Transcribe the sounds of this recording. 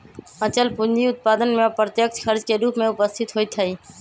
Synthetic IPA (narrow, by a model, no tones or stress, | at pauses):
ət͡ʃəlpʊnd͡ʒiʊt̪̚paːd̪ənmẽpɾət̪jək̚t͡ʃxəɾd͡ʒkeɾuːpmẽʊpəst̪ʰɪt̪ɦoːit̪ʰɐiː